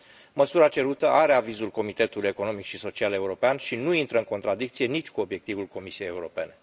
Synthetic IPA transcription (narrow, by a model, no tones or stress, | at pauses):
məsuɾat͡ʃe̞ɾut̪əʔaɾe̞avizulko̞mit̪e̞t̪uluje̞ko̞no̞mikʃiso̞t͡ʃiale̞uɾo̞peanʃinuint̪ɾəɨŋko̞nt̪ɾad̪ik̚t̪sije̞nit͡ʃʲkuo̞bje̞k̚t̪ivulko̞misie̞jeuɾo̞pe̞ne̞